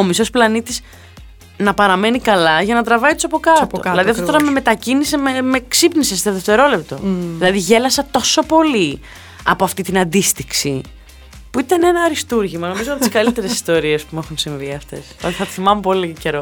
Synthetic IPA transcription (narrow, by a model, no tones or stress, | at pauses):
o̞miso̞splɐnit̪iz | nɐpɐɾɐme̞nikɐlɐʝɐnɐt̪ɾɐvɐit̪usɐpo̞kɐt̪oðilɐðiɐft̪ot̪oɾɐme̞me̞t̪ɐcinisememeksipnisest̪eðeft̪e̞ɾo̞le̞pt̪o̞ðilɐðiʝe̞lɐsɐt̪o̞so̞po̞li | ɐ̰po̞ɐft̪it̪inɐnd̪ist̪iksḭ | puit̪ɐnenɐːɾist̪uɾʝimɐno̞mizopot̪iskɐlit̪e̞ɾesi̥st̪o̞ɾie̞spumexunsiɱviɐft̪e̞̰st̪θɐt̪i̥θimɐmupo̞lice̞ɾo̞